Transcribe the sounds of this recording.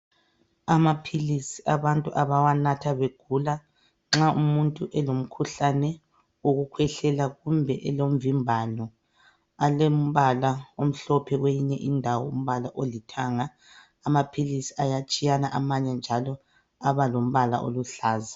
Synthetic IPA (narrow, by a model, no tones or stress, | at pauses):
amapʰilisi̥ʔaβantʼuʔaβawanatʰaβeɡ̥ʱula | ŋ͡ǁaumuntʼuʔɛlom̩kʰuɬanɛ | oɣukʰwɛɬɛlaɣumbʱɛʔɛlom̩vimbʱanɔ | alem̩βalaom̩ɬɔpʰɛɣwejiɲɛʔindʱawɔum̩βalaʔolitʰaŋaː | mapʰilisi̥ajat͡ʃʼijanaʔamaɲɛnd͡ʒʱalɔ | aβalom̩βala̰ʔo̰luɬaːzḁ